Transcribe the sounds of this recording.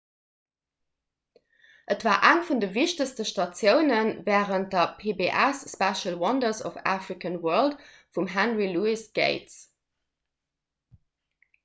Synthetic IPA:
ʔətv̥aːɐʔæŋfundəviʃtəstəʃtɑt͡sjəʊnənvɛːʁənt̚dɐpʰeːbeʔæsːpɛʃəlwɑndəsɔ̰fæ̰fʁikənwɜɐlt | fumɦænʁiluisɡ̥ḛɪts

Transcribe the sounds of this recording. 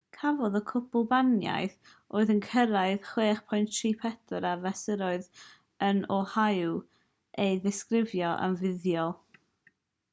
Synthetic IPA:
kʰavɔðɔkʰʊbʊlˠbanja̰jθ | ʔoːɨðənkʰəɾaɨðχweːχpʰɔjntʰriːpʰɛtʰʊɾavɛsəɾɔɨð | ənɔhajw | ejðɪskrɪvjɔʔa̰mvɪðjɔlˠ

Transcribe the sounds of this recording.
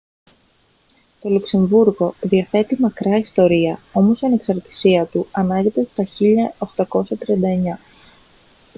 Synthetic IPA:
t̪o̞lukse̞ɱvuɾɣo̞ðiɐθe̞t̪imɐkɾɐist̪o̞ɾiɐo̞mo̞sɐne̞ksɐɾt̪i̥siɐt̪uɐnɐɲɟe̞t̪e̞st̪ɐçiʎɐo̞xt̪ɐko̞sɐt̪ɾiɐnd̪ɐeɲɐ

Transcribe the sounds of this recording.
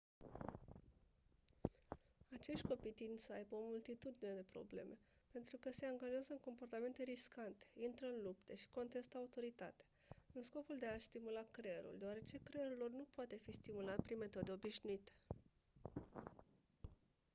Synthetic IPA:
at͡ʃe̞ʃt̪̚ʲko̞pit̪inʲsəajbəo̞mult̪it̪ud̪ine̞d̪epɾo̞̰ble̞̰me̞pe̞nt̪ɾukəse̞aŋɡaʒeazəɨŋko̞mpo̞rt̪ame̞nt̪e̞ɾiskant̪e̥int̪ɾəɨnlupt̪əʃi̥ko̞nt̪e̞st̪əaut̪o̞ɾit̪a̰t̪ḁ | ɨnsko̞puld̪e̞ast̪imulakɾeɾṵld̪eoaɾe̞t͡ʃe̞kɾeɾulornupoat̪e̞fist̪imulat̪pɾinme̞t̪o̞d̪e̞o̞biʃnuit̪e̥

